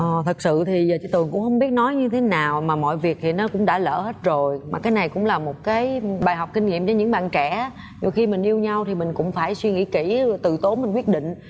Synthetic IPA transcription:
ʔɔː˨˩t̪ʰə˨˩k̚sɨ̰˧˨t̪ʰi˨˩zəː˨˩t͡ɕi˧˦t̪ɨ˨˩əŋkʊ̰˧˥ŋ͡mhə˧wŋ͡mɓi˦˥ət̚nɔ˨˦jɲɨ˧t̪ʰe˨˦naː˨˩wmaː˨˩mɔ̰˧˨jvi˨˩ək̚t̪ʰi˨˩nɔ˨˦kʊ̰˧˥ŋ͡mɗa̰ː˧˥lə̰ː˧˩he˦˥t̚zo˨˩jmaː˨˩kaː˨˦jna˨˩jkʊ̰˧˥ŋ͡mlaː˨˩mo˨˩t̚kaː˨˦jɓaː˨˩jɦɔ˨˩wk͡p̚kï˧ŋ̟ŋḭ˧˨mt͡ɕɔ˧˩ɲɨ̰˧˥ŋɓa̰ː˧˨nt͡ɕɛ˧˩˦ | ɲo˨˩xi˧mï˨˩ŋ̟ʔi˧əwɲa˧wt̪ʰi˨˩mï˨˩ŋ̟kʊ̰˧˥ŋ͡mfaː˧˩jswi˧ŋḭ˧˥ki˧˩t̪ɨ˧˨t̪o˨˦mi˨ŋ̟kwi˦˥ət̚ɗḭ˧˨ŋ̟

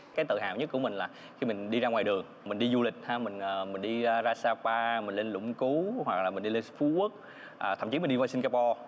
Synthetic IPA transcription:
kaː˨˦jt̪ɨ̰˧˨ɦa̰ː˧˨wɲə˦˥t̚ku˧˩əmï˨˩ŋ̟laː˨˩ | xi˧mi˨˩ŋ̟ɗi˧zaː˧ŋwaː˨˩jɗɨ˨˩əŋ | mï˨˩ŋ̟ɗi˧zu˧lï˨˩k̟̚haː˧˦mï˨˩ŋ̟ʔːmï˨˩ŋ̟ɗi˧zaː˧saː˧paː˧mï̟˨˩le˧nlʊ̰˧˥ŋ͡mku˨˦hwa̰˨˩k̚laː˨˩mï̟˨˩ɗi˧le˧nfu˨˦ʔu˦˥ək̚ | ʔ̪ːʰə˧˩mt͡ɕi˨˦m̟˨˩ɗi˧aː˧si˧nkaː˧pɔ˧

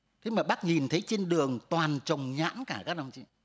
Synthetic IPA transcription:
t̪ʰe˨˦jmaː˨˩ɓa˦˥k̚ɲi˨˩nt̪ʰə˨˦jt͡ɕe˧nɗɨ˨˩əŋt̪waː˨˩nt͡ɕə˨˩wŋ͡mɲa̰ː˧˨˥nkaː˧˩kaː˦˥k̚ɗa˧wŋ͡mt͡ɕḭ˧˥

